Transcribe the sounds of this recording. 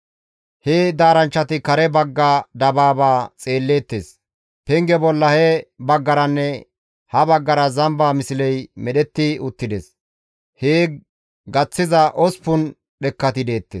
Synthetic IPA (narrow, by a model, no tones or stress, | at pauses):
heːd̪aːɾɐnt͡ʃːɐt̪ɪkɐɾɛbɐɡːaːd̪ɐbaːbaːt͡sʼe̞ːlːe̞ːt̪ːeːs | pɛŋɡɛbɔlːɐhɛbɐɡːɐɾɐnːɛ | hɐbɐɡːɐɾɐzɐmbaːmɪsɪlɛjmɛɗɛt̪ːɪʊt̪ːɪd̪ɛs | heː | ɡɐt͡sːɪzɐʔɔspʊn | ɗɛkːɐt̪ɪd̪e̞ːt̪ːḛs